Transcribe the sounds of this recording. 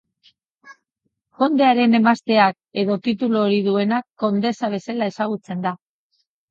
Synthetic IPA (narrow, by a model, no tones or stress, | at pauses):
ʝo̞nd̪e̞aɾe̞ne̞mast̪e̞ak̚ | e̞ðo̞t̪it̪uluoɾiðue̞nakːo̞nd̪e̞saβ̞e̞selae̞saɣ̞ut͡se̞nd̪a